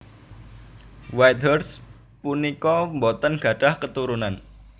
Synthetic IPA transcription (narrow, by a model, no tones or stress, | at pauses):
wajt̪ɔrs | punikɔmbɔt̪ənɡ̥a̤ɖ̥ahkət̪uɾunan